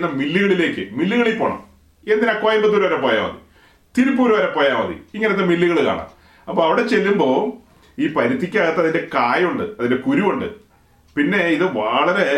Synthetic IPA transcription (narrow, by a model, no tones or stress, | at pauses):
nːɐmilːiɣɐɭile̞ːkːɨmilːiɣɐɭepːoɳɐ̰m | end̪inɐkːɐʋaːjumbɐt̪ːuɾuʋɐɾɐpːoːja̰ːmɐ̰ðḭ | t̪iɾup̬ːuːɾuʋɐɾɐpːo̞ːjaːmɐðḭiŋːɐneoːemilːiɣɐɭɨka̰ːɳa̰m | ɐpːoːɐʋiɽe̞t͡ɕe̞lːumbo̞ː | iːpɐɾit̪ʰːikʲːaːɻɨt̪ːɐðinde̞kaːjuɳɖɨɐðinde̞kuɾuʋuɳɖɨ̰ | pinːe̞iðɨʋɐɭɐɾe̞